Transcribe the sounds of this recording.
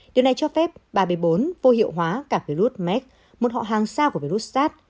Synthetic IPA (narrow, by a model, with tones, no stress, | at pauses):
ɗi˨˩əwna˨˩jt͡ɕɔ˧fɛ˦˥p̚ɓaː˨˩ɓə˨˦ɓo˨˦nvo˧ɦḭ˧˨əwɦwaː˨˦kaː˧˩vi˧lu˦˥t̚mɛ˦˥k̚ | mo˨˩t̚hɔ̰˧˨ɦaː˨˩ŋsaː˧ku˧˩əvi˧lu˦˥t̚saː˦˥t̚